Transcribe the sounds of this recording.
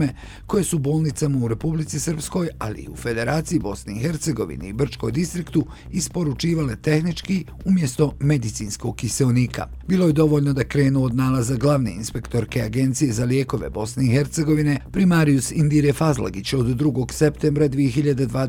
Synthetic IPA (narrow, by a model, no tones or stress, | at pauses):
me | ko̞je̞subo̞ːlˠnit̪samauɾe̞publit̪isr̩psko̞ja̰lḭḭufe̞d̪e̞ɾaːt̪sijibo̞sneixe̞ɾt̪se̞ɡo̞ʋḭnḛibr̩t͡ʃko̞jd̪ist̪ɾikt̪u | ispo̞ɾut͡ʃiːʋale̞t̪e̞xnit͡ʃki | umje̞st̪o̞me̞d̪it̪siːnsko̞ɡkːiseoniːkʰa̰ | biːlˠo̞je̞d̪o̞ʋoʎnod̪akɾe̞ːnuod̪naːlazaɡlˠaʋne̞̰ḭnspe̞kt̪o̞ɾke̞aɡe̞nt̪sije̞zalje̞ːko̞ʋe̞̰bo̞sne̞ixe̞ɾt̪se̞ɡo̞ʋine̞pɾimaɾiusind̪iɾefazlˠa̰ɡit͡ɕod̪ːɾuɡo̞ɡse̞pt̪embɾad̪ʋijexiʎad̪ed̪ʋaːd̪